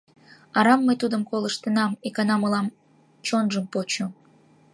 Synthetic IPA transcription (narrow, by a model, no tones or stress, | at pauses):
ɑɾɑmːəjt̪ud̪əmkoləʃt̪ənɑmekɑnɑməlɑm | t͡ɕonʒəmpot͡ɕo